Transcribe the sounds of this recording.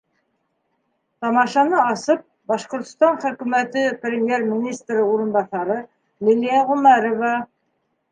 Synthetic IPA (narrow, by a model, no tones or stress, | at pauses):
t̪ɑmɑʃɑnɤɑsɤp̚bɑʃqŏɾt̪̆st̪ɑnχɵ̆kʉmæt̪ɘprʲemʲjermʲinʲist̪rɘuɾɤ̆nbɑθɑɾɤ | lʲilʲijɑʁɵmæɾovɑ